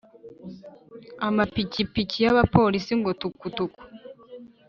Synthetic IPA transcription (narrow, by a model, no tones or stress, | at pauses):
amapicipicijaβapo̞lisiŋɡo̞tukutuku̥